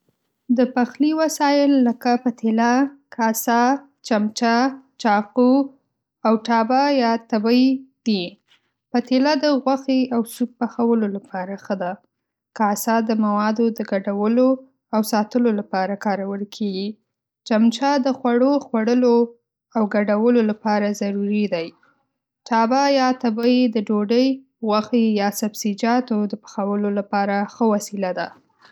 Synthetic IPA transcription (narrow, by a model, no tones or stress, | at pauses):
d̪əpaxliwasɑjɪlːəkapat̪ʰelakasɑ | t͡ʃamt͡ʃat͡ʃɑqu | awʈɑbajɑt̪abəjd̪̥i | pat̪elad̪əɣwaxeawsub̚paxawəlolapɑɾaxəd̪a | kasɑd̪əmawɑd̪od̪əɡaɖawəlo | awsɑt̪əlolapɑɾakɑɾawəlkʰeɡi | t͡ʃamt͡ʃɑd̪əxwaɽoxwaɽəlo | awɡaɖawəlolapɑɾazaɾuɾid̪aj | ʈɑbajɑt̪abəjed̪əɖoɖəj | ɣwaxejɑsabsid͡ʒɑt̪od̪əpə̥xawəlolapɑɾaxəwasilad̪a̰